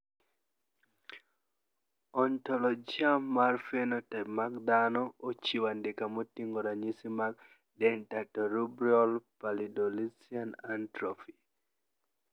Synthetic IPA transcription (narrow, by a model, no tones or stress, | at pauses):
ɔntɔlɔd͡ʒiamarfɛnɔtɛmak̚d̪anɔot͡ʃiwandɪkamɔtiŋɡɔɾaɲisimak̚ | dɛntatɔɾubɾiɔlpalidɔlisianantɾɔfi̥